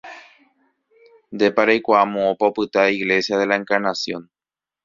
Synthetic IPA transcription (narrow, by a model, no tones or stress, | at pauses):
nd̪e̞paɾajkʷaamõopaopɨt̪aiɣle̞sjaðe̞lae̞ŋkaɾnasjõ̞n